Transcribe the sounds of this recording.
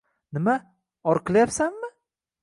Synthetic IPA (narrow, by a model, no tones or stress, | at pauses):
nɪma | ɒɾqʰɨlˠajapsanmɪ